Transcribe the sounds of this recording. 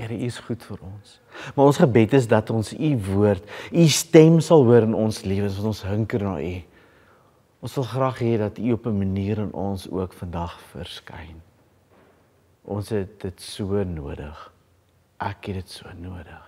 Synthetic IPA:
əɾəiəsχutfəɾɔns | mɑɾɔnsχəbɛtəs̬dɐtɔnsivuərtistɛmsɐlˠɦuəɾənɔnsliəvənsɑntɔnsɦəŋkərnɑ̰ːʔi | ʔɔnsɐlˠχrɑːχɦɛdɐtiɔpəməniːɾənɔnsṵəkfəndɐχfə̰rskɛ̰jn | ʔɔ̰nsɦɛt̚dətsuənuədə̰χ | ʔækɦɛdətsuənuədəχ

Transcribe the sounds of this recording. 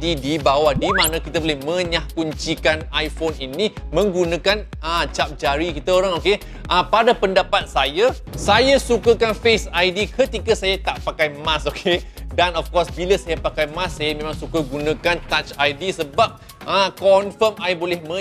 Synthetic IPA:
idibawahdimãnãkit̪abolɛhmə̃ɲahkuɲt͡ʃikanajfoninĩmə̃ŋɡunãkan | ət͡ʃap̚d͡ʒaɾikit̪aoɾaŋoke | ʔəpadapəndapat̪̚saja | sajasukakanfesajdikət̪ikasajat̪aʔpakajmãsokʰedanɔfkɔrsbiləsajapakajmãsːajamẽmãŋsukaɡunãkant̪at͡ʃajdisəbap̚ | əkɔnfəmajabolɛhmə̃

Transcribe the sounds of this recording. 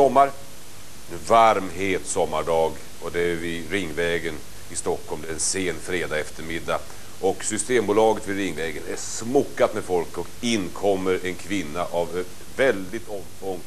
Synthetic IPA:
sɔmːaɾ | vaɾmɦeːt̪sɔmːaɖɑːɡ | ɔd̪ɛæɾvɪɾɪŋːvɛːɡən | ɪst̪ɔkʰːɔlmd̪ɛæɾɛnseːnːfɾeːd̪aɛft̪əɾmɪd̪ːa | ʔɔksʏst̪eːmbʊːlɑːɡət̪vɪɾɪŋːvɛːɡənæsmʊkːat̪mɛd̪fɔlkɔkɪnːkʰɔmːəɾɛnkʰvɪnːaʔav | vɛld̪ɪt̪ɔm | ɔŋː

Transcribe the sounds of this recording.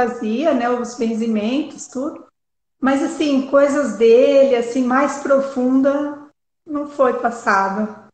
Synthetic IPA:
aziɐnɛʊzvẽs̬imẽnt̪ʊst̪ud̪ʊ | mɐzasĩkojzɐzd̪elɪasĩmajspɾofũnd̪ɐ | nɐ̃w̃fojpasad̪ɐ

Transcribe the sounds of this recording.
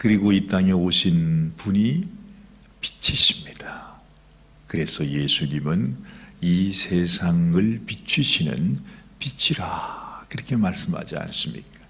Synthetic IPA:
kɯɾiɡoit͈aŋe̞oɕʰinpuɲi | pi̥t͡ɕʰiɕʰimɲid̥a | kɯɾe̞sʰʌje̞sʰuɲimɯnisʰe̞sʰaŋɯɭpit͡ɕʰuɕʰinɯ̰npit͡ɕʰiɾakɯɾʌkʰe̞maɭs͈ɯmha̰d͡ʑia̰ns͈ɯmɲḭk͈ḁ

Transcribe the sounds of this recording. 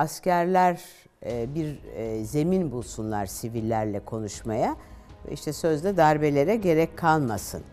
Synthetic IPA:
ascæɾlʲæɾ | biɾze̞minbulˠsunlˠaɾsivilʲːæɾlʲɛkʰo̞nuʃmaja̰ḭʃt̪ʰɛsø̞zd̪ʲɛd̪aɾbe̞lʲe̞ɾɛɟe̞ɾɛckʰːalˠmasɯ̰n

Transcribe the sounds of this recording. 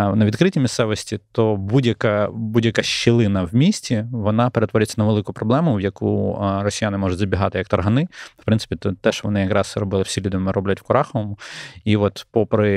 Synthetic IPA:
nɐʋʲd̪kɾɪtʲimʲissɛʋɔsʲtʲit̪ɔbudʲjɐkɐbudʲjɐkɑʃːɪlˠɪnɐwmʲisʲtʲiʋɔnɑpeɾet̪ʋɔɾʲɪt͡sʲːɐnɐʋelˠɪkʊpɾɔblˠɛmʊwjɐkṵrɔsʲijanɪmɔʒʊtʲzɐbʲiɦɑt̪ɪjɐkt̪ɐrɦɐnɪfpɾɪnsɪ̥pʲit̪ɔt̪ɛʃʋɔnɪjɐkɾɑsɾɔbɪlˠɪwsʲilʲud̪ɪɔmɪɾɔblʲɐtʲwkʊɾɑxɔʋɔmʊiʋɔt̪pɔpɾɪ

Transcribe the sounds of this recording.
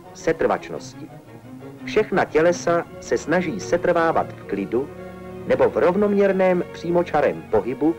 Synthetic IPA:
sɛt̪r̩va̰t͡ʃno̰scɪ | fʃɛxnacɛlɛsasɛsnaʒiːsɛt̪r̩vaːva̰t̪fklɪdu | nɛbo̞vɾo̞vno̞mɲɛɾnɛːmpr̝̥iːmo̞t͡ʃaɾɛmpo̞ɦɪbu

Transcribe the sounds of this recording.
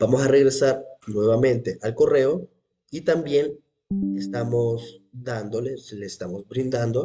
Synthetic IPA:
b̥amo̞sare̞ɣɾe̞saɾnwe̞βamẽ̞nt̪e̞ʔalko̞re̞o̞ | it̪ambje̞n | est̪amosd̪and̪o̞leleest̪amo̞zbɾind̪and̪o̞

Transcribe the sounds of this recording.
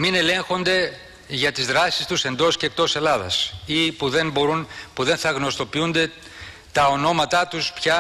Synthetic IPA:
mine̞lẽ̞ŋxo̞nd̪e̞ | ʝɐt̪izðɾɐsi̥st̪use̞nd̪o̞scek̚t̪o̞se̞lɐðɐ̰sipuðe̞nboɾunpuðe̞nθɐɣno̞st̪o̞piund̪e̞ | t̪ɐo̞no̞mɐt̪ɐt̪uspçɐ

